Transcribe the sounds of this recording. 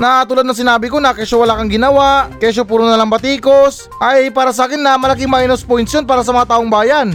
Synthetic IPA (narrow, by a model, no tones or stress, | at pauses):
nɐaːɐt̪uːlad̪nɐŋs̬ɪnaːbɪkonɐkɛʃowɐlakɐŋɡɪnɐwakɛʃ̬opuːɾonɐlaŋbɐt̪iːkos | ʔɐjjpaːɾɐs̬aːkɪnːɐmɐlakɪŋmɐʔinospojnsjonpaːɾɐs̬ɐmɐŋat̪aːʔoŋbaːjan